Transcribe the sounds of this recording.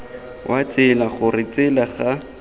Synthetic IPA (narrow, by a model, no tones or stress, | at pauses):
wʔat͡sɪlaχʊrɪt͡sɪlaχa